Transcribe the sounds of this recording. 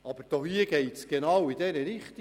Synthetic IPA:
ɑb̥əɾd̥oːhiəɡ̥ɛɪtsɡ̥enɑwid̥ɛɾəɾɪχt̪i

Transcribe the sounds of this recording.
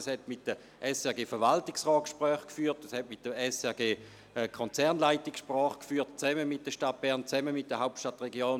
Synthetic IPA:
əshɛtmɪt̚d̥ə | ʔɛsɛɐɡeːfəɐʋaltɪksʁɔːt̚kʃpʁœːχkfyːɐtəshɛtmit̚d̥əɛsɛɐɡeː | ɛkʰɔnt͡sɛɐnlaɪtɪksʃpʁɔːχkfyːɐtt͡sɛməmit̚d̥əʃtat̚b̥ɛɐʁnt͡sɛməmit̚d̥əɦaʊp̚tʃtatʁeɡjoːn

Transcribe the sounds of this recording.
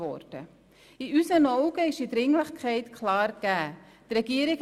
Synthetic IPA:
ɔ̰ɾd̥ə | iysənɔʊɡəɪʃidɾɪŋləχkʰɛɪtkʰlɑːɾɡ̥æː | trɛɡiːɾɪk

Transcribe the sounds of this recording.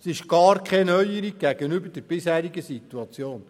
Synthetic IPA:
sɪʃɡ̥ɑːɾkʰχɛnœʏəɾiɡ̚ɡæɡənybərd̥ɛɾb̥ɪshæːɾiɡəsituɑt͡sjoːn

